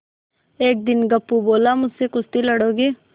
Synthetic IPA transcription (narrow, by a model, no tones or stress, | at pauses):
eːk̚d̪ɪnɡɐpːuboːlamʊd͡ʒsekʊst̪ilɐɽoːɡeː